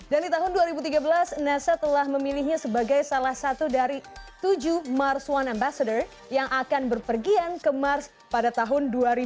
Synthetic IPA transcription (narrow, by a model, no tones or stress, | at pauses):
dandit̪aɦʊnduaɾibut̪iɡabəlasnasat̪əlahməmilihɲasəbaɡajsalahsat̪udaɾit̪ud͡ʒumarswanambasadər | jaŋʔakanbərpərɡiankəmars | padat̪aɦʊnduaɾi